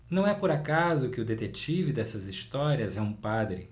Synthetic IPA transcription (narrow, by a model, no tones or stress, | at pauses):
nɐ̃w̃ɛpʊɾakazʊkɪʊd̪et̪et͡ʃivɪd̪ɛsɐzist̪ɔɾiɐzɛũpad̪ɾɪ